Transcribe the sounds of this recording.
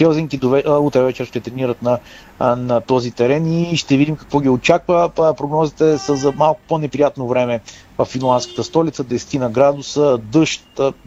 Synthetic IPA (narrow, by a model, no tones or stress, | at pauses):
ɛzɛnk̪id̪ovɛut̪ɾɛvɛt͡ʃɛɾʃt̪ɛt̪ɾɛniɾət̪nɐ | nɐt̪ɔzit̪ɛɾɛniʃt̪ɛvid̪imkɐ̥kvɔɡʲiot͡ʃakvəpɾoɡnɔzit̪ɛsəzɐmalˠkʊ̥ponɛpɾijat̪novɾɛmɛvɐfːinlˠand̪skə̥t̪əst̪ɔlit̪səd̪ɛsɛ̥t̪inɐɡɾad̪ʊsəd̪ɤʃt̪